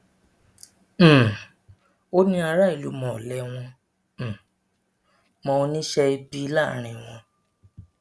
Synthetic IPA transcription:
o˦nĩ˦a˧ɾa˦i˨lu˨˦mɔ̃˨lɛ˦w̃ɔ̃˧˨ | mɔ̃˧nĩ˦ʃɛ˧i˧bi˦la˦˨ɾ̃ĩ˨w̃ɔ̃˧

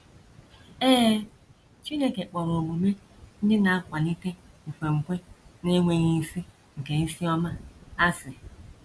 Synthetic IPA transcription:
eː˦ | t͡ʃi˦ne˦ke˨k͡pɔ˨ɾo˨mu˨me˦ | n̩˦dɪ˦na˨a˦kʷa˨ni˦te˦ŋ̩˨fʷe˨ŋ̩˨kʷe˦ne˦ŋʷe˨ɲi˦si˦ | ŋ̩˨ke˨ni˦si˦ɔ˦ma˦a˦sɪ˨

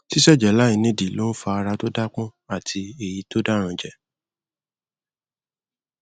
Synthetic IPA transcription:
ti˦ʃɛ˦˨d͡ʒɛ˨la˨˦i˨˧nĩ˦di˨lo˦n̩˦fa˧a˧ɾa˧to˦da˦k͡pɔ̃˦a˦˨tʰi˧e˦˨ji˧˦to˦da˦ɾ̃ã˧d͡ʒɛ˨

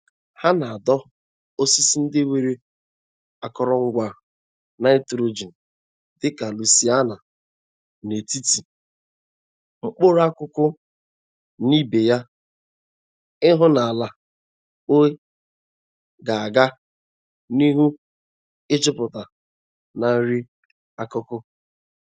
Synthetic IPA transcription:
ha˦na˨a˨dɔ˦ | o˦si˦si˦n̩˦dɪ˦we˨ɾe˦ | a˨kɔ˨ɾɔ˨ŋ̩˦ɡʷa˨ | na˦e˦tɾo˨d͡ʒi˨n̩˨ | d̥ɪ˦ka˨lu˨si˦a˦na˨ | ne˨ti˦ti˨ | ŋ͡m̩˦k͡po˦ɾa˦kʊ˦kʊ˦ | ni˦be˨ja˦ | ɪ˦ɦʊ˦na˨a˨la˨ | o˦e˦ | ɡa˨a˨ɡa˦ | ni˦ɦu˦ | ɪ˦t͡ʃɪ˦pʊ˨ta˨ | na˨n̩˦ɾi˦ | a˦kʊ˦kʊ˦

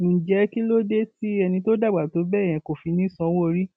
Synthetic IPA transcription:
d͡ʒɛ˧˦ki˦lo˦de˦ti˦ɛ˧nĩ˧to˦da˦˨ɡ͡ba˨to˨˦bɛ˦˨j̃ɛ̃˨˧˦ko˨fi˧nĩ˦sɔ̃˧˦wo˦˧˨ɾi˦

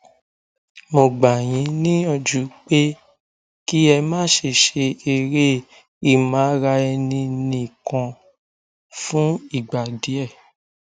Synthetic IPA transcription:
mo˨ɡ͡ba˨j̃ĩ˨˦nĩ˦ɔ˧˨d͡ʒu˨˦k͡pe˦ | ki˦ɛ˧mãː˦ʃe˨ʃe˧e˧ɾe˦ | i˦˨mãː˨˦ɾa˧ɛ˧nĩ˧nĩ˧˨kã˧ | fũ˦i˦˨ɡ͡ba˨di˨˦ɛ˦˨

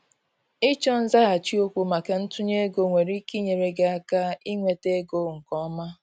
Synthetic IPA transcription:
i˦t͡ʃɔ˦n̩˦za˦ɣa˨t͡ʃi˦o˦kʷu˨ma˨ke˨n̩˦tʊ˦ɲe˦ɡo˨ŋʷe˨ɾi˦ki˦ɲe˨ɾe˨ɡe˦a˦ka˦i˦ŋʷe˨te˦ɡo˦ŋ̩˨kɔ˦ma˦

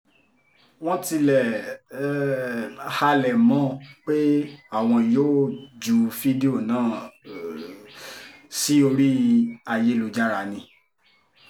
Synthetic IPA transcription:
w̃ɔ̃˦ti˧lɛ˨ | ha˧lɛ˨mɔ̃˨˦k͡pe˦a˦˨w̃ɔ̃˧joː˦d͡ʒu˨˧fi˦de˦o˦˨nãː˦˨ | si˦o˧ɾi˦a˧je˦lu˨˧d͡ʒa˦ɾa˧˨nĩ˧

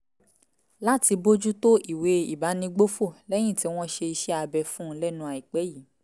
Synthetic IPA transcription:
la˦ti˧bo˦d͡ʒu˦to˦ʔi˨we˨˦i˨ba˨˦nĩ˧ɡ͡bo˦fo˦˨lɛ˦j̃ĩ˦˨ti˧˦w̃ɔ̃˦ʃe˧i˧ʃɛ˦a˧bɛ˧fũ˦lɛ˦nũ˧˦a˨i˨k͡pɛ˨˦ji˨˦

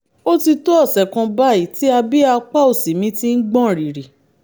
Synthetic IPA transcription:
o˦ti˧to˦ɔ˦˨sɛ˨kã˧ba˦i˦˨ti˨˦a˧bi˦a˧k͡pa˦o˨si˨mĩ˧˦ti˦n̩˦ɡ͡bɔ̃˦˨ɾi˨ɾi˨

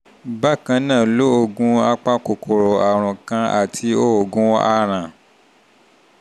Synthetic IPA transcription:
ba˦˨kã˧nãː˦˨lo˦o˧ɡũ˦a˦k͡pa˦ko˨kʰo˨ɾɔ˨a˨ɾ̃ũ˨kã˧˦a̰˨tʰi˧˦o˦o˨ɡũ˦a˦ɾ̃ã˨

